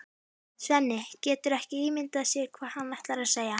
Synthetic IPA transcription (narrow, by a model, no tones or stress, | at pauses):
svɛnːɪcɛːt̪ʏɾɛhcɪiːmɪnt̪aðsɛːkʰvaːð̥hanvajht̪laɾaðseːja